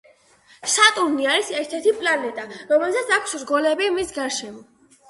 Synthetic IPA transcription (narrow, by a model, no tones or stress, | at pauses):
sat̪ʼuɾniaɾisɛɾt̪ʰɛɾt̪ʰipʼlanɛt̪ʼaɾɔmɛlsat̪sʰakʰsɾɡɔlɛbiamisɡaɾʃɛmɔ